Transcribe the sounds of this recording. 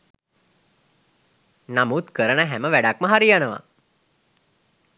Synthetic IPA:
namut̪kəɾənəɦɛməʋæɖak̚məɦaɾijanəʋa̰

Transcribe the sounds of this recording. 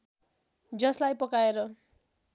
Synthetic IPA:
d͡zʌslajpʌkaeɾʌ

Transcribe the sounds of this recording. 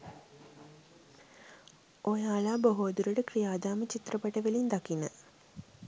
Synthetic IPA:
ojaːlaːboɦoːd̪uɾəʈəkrijaːd̪aːmət͡ɕit̪rəpɐʈəʋəlind̪akinə̰

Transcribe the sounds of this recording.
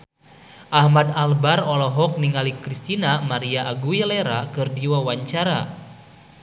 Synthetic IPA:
ʔahmadalbarɔlɔɦɔk̚niŋalikɾist̪inamaɾiaʔaɡujəleɾakɨrdiwawaɲt͡ʃaɾa

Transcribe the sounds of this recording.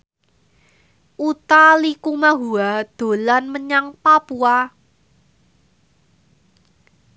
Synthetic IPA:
ʔut̪alikumaɦuad̪̥o̤lanməɲaŋpapua

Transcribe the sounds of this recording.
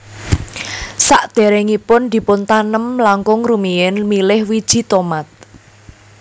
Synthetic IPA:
saʔd̪̥e̤ɾeŋipʊnd̪̥i̤pʊnt̪anəmlaŋkʊŋrumiɛnmilɪhwid̥ʒ̥i̤t̪omat̪̚

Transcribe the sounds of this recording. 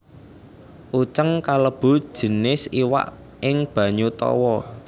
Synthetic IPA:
ʔut͡ʃəŋkaləb̥ṳd̥ʒ̥ə̤nɪsiwa̰ʔ | ʔɪŋb̥ä̤ɲut̪ɔ̰wɔ

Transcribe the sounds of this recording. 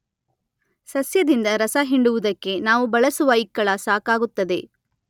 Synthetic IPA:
sɐsjɐd̪ind̪ɐɾɐsɐɦiɳɖuʋud̪ɐkːe̞naːʋubɐɭɐsuʋaːjikːɐɭɐsaːkaːɡut̪ːɐd̪e̞

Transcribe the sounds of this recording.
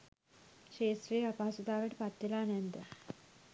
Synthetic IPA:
ʃeːsɾejapaasud̪aːʋəʈəpat̪ʋelaːnɛnd̪ə

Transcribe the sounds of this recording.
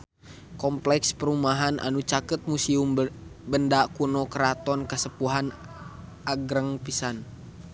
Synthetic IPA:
kɔmplɛkspəɾumaɦanʔa̰nut͡ʃakət̪̚musiumbəndakunɔkəɾat̪ɔnkəsəpuɦan | ʔaɡɾəŋpisan

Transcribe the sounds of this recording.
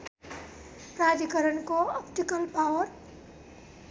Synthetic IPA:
prad͡zikʌɾʌnkoʌpʰʈikʌlpawʌr

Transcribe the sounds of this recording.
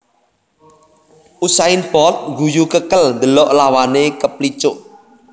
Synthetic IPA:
ʔusaɪnpɔt̪̚ɡujukəkəlnd̪əlɔʔlawanekəplit͡ʃʊʔ

